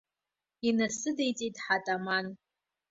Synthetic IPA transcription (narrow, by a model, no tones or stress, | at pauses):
inasɨdejt͡sʼidħatʼaman